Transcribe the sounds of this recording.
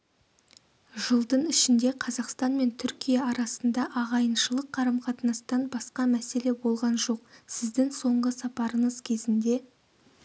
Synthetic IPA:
ʒəlˠd̪əɴɪʃɪnd̪e̞qʰɑzɑqst̪ɑnme̞nt̪ʰʏɾkʲijɑɑɾɑsənd̪ɑʔɑʁɑjənʃəlˠəqʰːɑɾɑmqʰɑt̪ənɑst̪ɑnbɑsqɑmæse̞le̞bo̞lˠʁɑnʒo̞q̚sɪzd̪ɪŋso̞ɴʁəsɑpɑɾəɴəzkʲʰe̞zɪnd̪e̞

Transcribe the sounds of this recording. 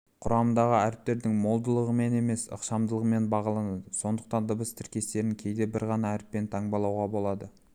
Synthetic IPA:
qʰʊɾɑmənd̪ɑʁəæɾɪp̚t̪e̞ɾd̪ɪŋmo̞lˠd̪əlˠəʁəme̞ne̞me̞sə̰qʃɑmd̪əlˠəʁəme̞nbɑʁɑlˠɑnɑd̪əso̞nd̪əq̚t̪ɑnd̪əbəst̪ʰɪɾkʲe̞st̪e̞ɾɪŋkʲʰe̞jd̪e̞bɪɾʁɑnɑæɾɪpːe̞nt̪ʰɑɴbɑlˠɑwʁɑbo̞lˠɑd̪ə

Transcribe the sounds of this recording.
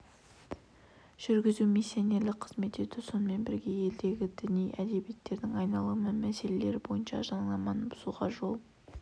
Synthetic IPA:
ʒ̥ʏɾɡʲɪzumisːijone̞rlɪk̚qʰə̥zme̞t̪e̞t̪ɪso̞nəme̞nbɪɾɡʲe̞je̞ld̪e̞ɡʲɪd̪ɪnijʔæd̪e̞bijet̪ːe̞ɾd̪ɪŋɑjnɑlˠumɪmmːæse̞le̞le̞ɾɪbo̞jənʃɑʒɑɴlˠɑmɑnəbʊzuʁɑʒo̞lˠ

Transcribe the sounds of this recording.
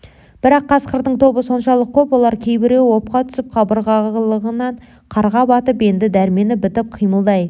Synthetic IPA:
b̥ɪɾɑqʰːɑsqəɾd̪əɴt̪ʰo̞bəso̞nʃɑlˠəq̚kʲʰɵpwo̞lˠɑɾkʲʰe̞jbɪɾewo̞p̚qɑt̪ʰʏ̥sɪp̚qʰɑbəɾʁɑlˠəʁənɑɴ | qʰɑɾʁɑbɑt̪əpe̞nd̪ɪd̪æɾme̞nɪbɪt̪ɪp̚qʰijməlˠd̪ɑj

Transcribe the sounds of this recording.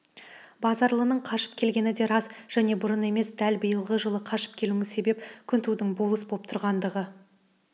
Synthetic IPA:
bɑzɑɾlˠənəɴqʰɑʃə̥p̚kʲʰe̞lɡʲe̞nɪd̪e̞ɾɑzʒ̥æne̞bʊɾəne̞me̞sd̪ælbəjəlˠʁəʒəlˠəqʰɑʃə̥p̚kʲʰe̞luŋɪzse̞be̞pkʲʰʏnt̪ʰud̪ɪŋbo̞lˠəsbo̞p̚t̪ʰʊɾʁɑnd̪əʁə

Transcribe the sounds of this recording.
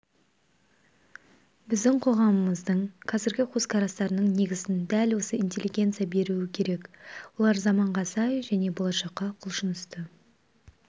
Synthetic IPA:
bɪzd̪ɪŋqʰo̞ʁɑməməzd̪əɴqʰɑzɪɾɡʲɪqʰozkʰɑɾɑst̪ɑɾənəɴne̞ɡʲɪzɪnd̪ælwo̞səint̪ʲe̞lʲːiɡʲe̞nt̪sɨjabe̞ɾuɪkʲʰe̞ɾe̞kwo̞lˠɑɾzɑmɑɴʁɑsɑjʒæne̞bo̞lˠɑʃɑqːɑqʰʊlˠʃənʏst̪ə

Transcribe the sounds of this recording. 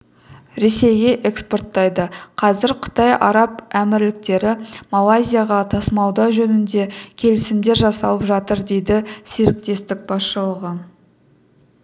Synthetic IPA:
ɾe̞se̞jɡʲe̞ʔeksport̪ːɑjd̪əqʰɑzɪɾqʰə̥t̪ɑjɑ̰ɾɑpæmɪɾlɪk̚t̪e̞ɾɪmalˠːajzʲijaʁɑt̪ʰɑsmɑwd̪ɑʒɵnɪnd̪e̞kʲʰe̞lɪsɪmd̪e̞ɾʒɑsɑlˠəpʒɑt̪əɾd̪e̞jd̪ɪse̞ɾɪk̚t̪e̞st̪ɪk̚bɑsʃəlˠəʁə

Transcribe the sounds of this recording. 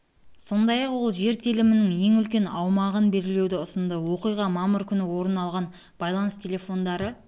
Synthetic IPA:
so̞nd̪ɑjɑqwo̞lˠʒe̞ɾt̪ʰelɪmɪnɪŋje̞ŋʏlkʲe̞nɑwmɑʁənbe̞ɾɪle̞wd̪ɪʊsənd̪əwo̞qijʁɑmɑməɾkʲʰʏnɪwo̞ɾənɑlˠʁɑn | b̥ɑjlˠɑnəst̪ʲʰelʲe̞fo̞nd̪ɑɾə

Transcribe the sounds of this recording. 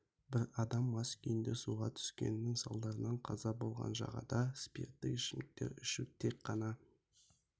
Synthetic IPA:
bɪɾɑd̪ɑmːɑskʲʰijɪnd̪esuʁɑt̪ʰʏ̥skʲe̞̰nːɪŋsɑlˠd̪ɑɾənɑɴqʰɑzɑbo̞lˠʁɑ̰nʒɑ̰ʁɑ̰d̪ɑspʲḛrt̪ːɪkɪʃɪmɪk̚t̪e̞̰ɾʏʃɪt̪ʰe̞kqʰːɑnɑ

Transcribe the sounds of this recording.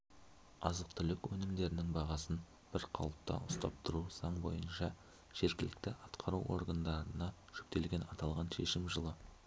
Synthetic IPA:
ɑzəq̚t̪ʰʏlɪkwɵnɪmd̪e̞ɾɪnɪŋbɑʁɑsən | b̥ɪɾqʰɑw̪ˠəp̚t̪ɑ̰ʊst̪ɑ̰p̚t̪ʰʊɾuz̥ɑɴbo̞̰jənʃɑ | ʒ̥e̞ɾkʲɪlɪkt̪ɪɑt̪qʰɑɾuwʔo̞̰ɾɡand̪ɑɾənɑ | ʒ̥ʏp̚t̪e̞lɡʲe̞nɑt̪ɑlˠʁɑnʃe̞̰ʃɪmʒəlˠə

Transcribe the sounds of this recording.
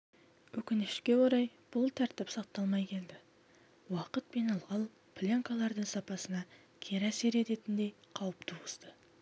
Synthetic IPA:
wɵkʲɪnɪʃkʲe̞woɾɑjb̥ʊlˠt̪ʰæɾt̪ɪpsɑq̚t̪ːɑlˠmɑjkʲʰe̞ld̪ɪ | wɑqət̪̚pe̞nɑlˠʁɑlˠ | pʰlʲaŋkɑlˠɑɾd̪əɴsɑpɑsənɑ | kʲʰe̞ɾæse̞ɾe̞t̪e̞t̪ɪnd̪e̞jqʰɑwəpt̪ʰuwəst̪ə

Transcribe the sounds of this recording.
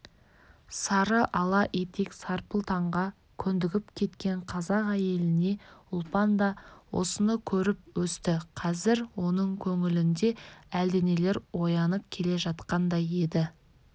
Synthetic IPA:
sɑɾəʔɑlˠɑʔet̪e̞ksɑɾpəlˠt̪ʰɑɴʁɑ | kʲʰɵnd̪ɪɡʲɪpkʲʰe̞t̪kʲe̞ɴqʰɑzɑqæje̞lɪne̞ʊlˠpɑnd̪ɑwʔo̞̰sənəkʲʰɵɾɪp̚wɵst̪ɪqʰɑzɪɾwo̞nəɴkʲʰɵŋɪlɪnd̪e̞æld̪ene̞le̞ɾwo̞jɑnəp̚kʲʰe̞le̞ʒɑt̪qɑnd̪ɑje̞d̪ɪ

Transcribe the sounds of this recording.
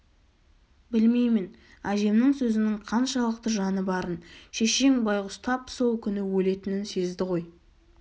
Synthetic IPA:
bɪlme̞jmɪn | æd̪e̞mnɪŋsɵzɪnɪɴqʰɑnʃɑlˠəq̚t̪əʒɑnəbɑɾənʃe̞ʃe̞ŋbɑjʁʊst̪ʰɑpso̞lˠkʲʰʏnɪwɵle̞t̪ɪnɪnse̞zd̪ɪʁo̞j

